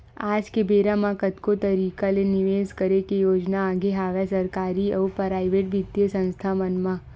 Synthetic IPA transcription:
aːd͡ʒkebeːɾamãkət̪kot̪ɐɾiːkalenɪʋeːskəɾekejoːd͡ʒnaaːɡʱeɦaːʋɛsɐɾkaːɾiɔːpɾaːɪʋeːʈʋɪd̪jəsə̃nst̪ʰamənmã

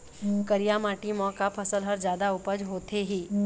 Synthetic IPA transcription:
kəɾijamaːʈimɔ̃ːkapʰɐsəlɦəɾd͡ʒjaːd̪aʊpəd͡ʒɦoːt̪eɦiː

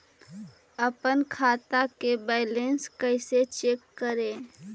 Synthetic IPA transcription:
əpənkʰaːt̪akebɛɪlẽnskəɪset͡ʃeːkːəɾẽː

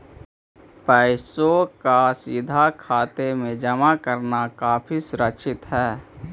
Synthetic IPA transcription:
pɛːɪsokasɪd̪ʱakʰaːt̪emẽd͡ʒəmakəɾnakaːpʰisʊɾət͡ʃɪt̪ɦɛː

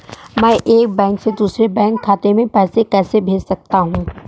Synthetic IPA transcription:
mɛ̃ːʔeːk̚bɛ̃ːŋksed̪uːsɾebɛ̃ːŋkʰːaːt̪emẽpɛːsekɛːsebʱeːd͡ʒsɐk̚t̪aɦũː

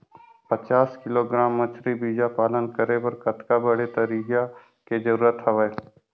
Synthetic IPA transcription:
pɐt͡ʃaːskɪloɡɾaːmːət͡ʃʰɾibiːd͡ʒapaːlənkəɾebɐɾkɐt̪kabɐɽet̪ɐɾiːɡa | ked͡ʒɐɾuːɾət̪ɦɐʋəe

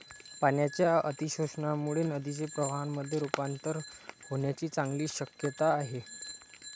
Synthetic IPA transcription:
paɳjat͡ɕjaət̪iɕoɕɳamuɭenəd̪it͡sepɾəʋaanmːəd̪ʱːjeɾupant̪əɾhoɳjat͡ɕiːt͡saŋɡliːɕəkjət̪aːɦe

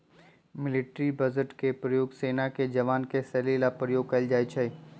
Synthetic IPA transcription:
mɪlɪʈɾibɐzəʈkepɾəjoːɡseːnaked͡ʒɐʋaːnkesɛːlilapɾəjoːɡ̚kɐld͡ʒaːit͡ʃʰɐi

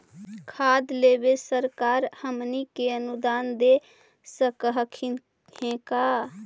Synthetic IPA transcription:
kʰad̪lebesəɾkaːɾhəmnikeənud̪aːnd̪e | səkəɦkʰ | hẽka

